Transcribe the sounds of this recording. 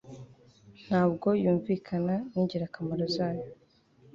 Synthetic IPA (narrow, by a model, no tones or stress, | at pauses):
n̥haːbɡo̞juːɱviːkʰananiɟeɾakamaɾozaːjo